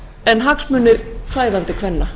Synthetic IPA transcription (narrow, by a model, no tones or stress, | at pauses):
ɛnɦaksmʏːnːɪɾ̥faːjðant̪ɪkʰvɛnːa